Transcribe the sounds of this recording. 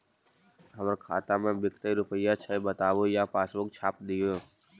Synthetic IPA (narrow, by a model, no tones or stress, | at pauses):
ɦəməɾkʰa̰ːt̪ãmẽbɪkt̪əjɾʊpəjat͡ʃʰəbət̪aːʋoːjaːpaːsʋok̚t͡ʃʰaːpd̪ijo